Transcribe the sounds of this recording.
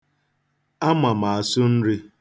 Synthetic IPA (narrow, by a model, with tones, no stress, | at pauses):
a˦ma˨ma˨a˨sʊ˦n̩˦ɾi˦